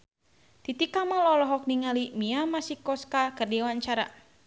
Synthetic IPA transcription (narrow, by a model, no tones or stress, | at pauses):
t̪it̪ikamalɔlɔɦɔk̚niŋalimiamasikɔskakərdɛwaɲt͡ʃaɾa̰